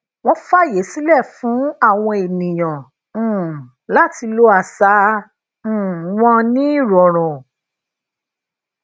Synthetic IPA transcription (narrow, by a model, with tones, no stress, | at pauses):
w̃ɔ̃˦fa˦˨je˨˦si˦lɛ˦˨fũ˨˦a˦˨w̃ɔ̃˧e˨nĩ˨j̃ã˨ | la˦ti˧lo˦a˧˨sã˨˦˨ | wɔ̃˧nĩ˦i˦˨ɾɔ˨ɾ̃ɔ̃˨